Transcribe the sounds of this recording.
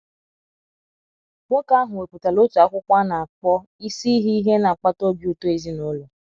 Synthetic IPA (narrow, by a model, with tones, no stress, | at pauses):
kʷo˦ka˦a˦ɦʊ˨we˨pu˨ta˨lo˦tu˨a˦kʷʊ˦kʷa˦na˨a˨k͡pɔ˦ | i˦si˦ɦi˦i˦ɦe˦na˨a˨k͡pa˦to˦bjo˦to˦e˦zi˦no˦lɔ˨